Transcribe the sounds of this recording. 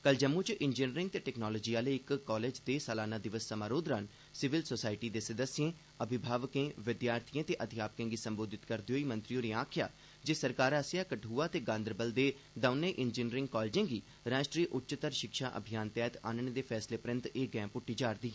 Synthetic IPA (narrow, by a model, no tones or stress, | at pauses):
kəld͡ʒəmːũːt͡ʃʔɪnd͡ʒɪːnɾɪ̃ŋɡ̚t̪eːʈɛːknɔːloːd͡ʒiːaːleɪkkːɔːleːd͡ʒd̪eːsəlaːnaːd̪ɪʋəsːəmaːɾoːd̪ɾaːn | sɪʋɪlsoːsaːɪʈiːd̪eːsəd̪əsɪjẽː | əbʱɪbʱaːʋəkẽːʋɪd̪jaːɾt̪ʰijãːt̪eːʔəd̪ɪjaːpəkẽːɡiːsəmboːd̪ɪt̪kəɾd̪oːiːmə̃nt̪ɾijoːnẽaːkʰɪja̰ː | d͡ʒeːsəɾkaːɾaːsjaːkəʈʰuːaːt̪eːɡãːnd̪əɾbəld̪eː | d̪aːʊnẽːʔɪnd͡ʒɪːnɾɪ̃ŋɡkɔːlːd͡ʒẽːɡiː | ɾaːʃʈɾiːəʔʊtːt͡ʃət̪əɾʃɪkʃaːʔə̰bʱijaːnt̪ɛːt̪a̰ːnəɳd̪eːpʰɛːsleːpəɾə̃nt̪eːɡɛ̃ːmpʊʈːiːd͡ʒaːɾd̪iː